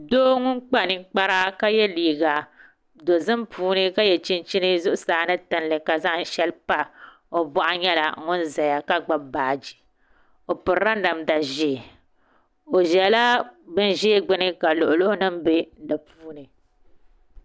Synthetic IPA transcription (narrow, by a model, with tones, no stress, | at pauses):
doː˦ŋʊ˦nk͡pa˦nɨ˨ŋk͡pa˦ɾa˦ka˦jɛ˦liː˨ɡa˨ | do˨zɨ˦mpuː˦nɨ˦ka˦jɛ˨t͡ʃi˦nt͡ʃi˦nɨ˦zʊ˦ʔʊ˦saː˨˦nɨ˦tɨ˨n˨lɨ˨ka˨za˦ʔʃɛ˦lpa˦ | o˨bɔ˦ʔa˦ɲɛ˦la̰˨˦ŋʊ˦nza˨ja˨ka˦ɡ͡ba˦baː˨d͡ʒi˨ | o˨pɨ˨ɾa˦n˦da˨mda˨ʒɪ˨ | o˨ʒɛ˨la˦bɨ˦nʒeː˦ɡ͡bɪ˦nɨ˦ka˨lʊ˨ʔʊ˨lo˦nɨ˦mbe˦da˨puː˦nɨ˨